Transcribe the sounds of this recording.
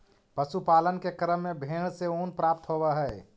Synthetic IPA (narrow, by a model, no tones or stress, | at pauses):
pəsupalənkekɾəmːebʱeɭ̃seonpɾap̚t̪ɦobɛɦɛɛ